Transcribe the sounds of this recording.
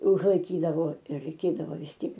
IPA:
ʊʒlˠɐɪˈkʲiːdɐʋoː ɪ rɐɪˈkʲeːdɐʋoː ʋʲɪs ˈtʲiɛk

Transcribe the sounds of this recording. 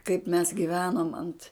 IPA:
kɐɪp mʲɛs ɡʲɪˈʋʲæːnoːm ɐnt

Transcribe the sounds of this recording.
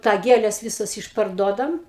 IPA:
tɑː ˈɡʲeːlʲɛs ˈʋʲɪsɐs ɪʃpɐrˈduɔdɐm

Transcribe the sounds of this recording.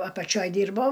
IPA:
ɐpɐˈt͡ʃʲoːj ˈdʲiːrboː

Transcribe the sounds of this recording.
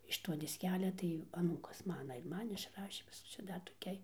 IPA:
ɪʃ toː dʲɪsʲˈkʲæːlʲɛ tɐɪ ɐˈnuːkɐs ˈmɑːnɐ ɪr ˈmɐn ɪʃˈrɑːʃʲeː ˈt͡ʃʲɛ ˈdɐr toːˈkʲɛɪ

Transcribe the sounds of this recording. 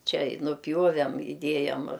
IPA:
ˈt͡ʃʲɛ ɪ nʊˈpʲjuɔʋʲɛm ɪˈdʲiɛjɛm

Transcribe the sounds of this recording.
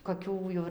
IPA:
koːˈkʲuː jɛʊ ɪr

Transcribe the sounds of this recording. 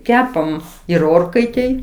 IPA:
ˈkʲæːpɐm ɪr ˈoːrkɐɪtʲeːj

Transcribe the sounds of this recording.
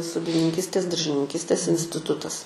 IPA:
soːdʲɪnʲɪŋʲˈkʲiːsʲtʲeːs dɐrʲʒʲɪnʲɪŋʲˈkʲiːsʲtʲeːs ɪnʲsʲtʲɪˈtʊtɐs

